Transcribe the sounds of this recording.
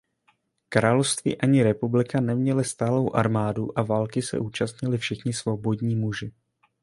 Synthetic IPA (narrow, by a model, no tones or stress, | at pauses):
kɾaːlofst̪vḭːʔaɲɪɾɛpublɪkanɛmɲɛlɪst̪aːlo̞wʔaɾmaːduʔavaːlkɪsɛ̰ʔuːt͡ʃast̪ɲɪlɪfʃɪxɲɪsvo̞bo̞dɲiːmuʒɪ